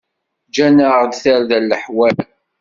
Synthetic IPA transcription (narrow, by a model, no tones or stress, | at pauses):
d͡ʒænəʁd̪θəɾðælːəħwæl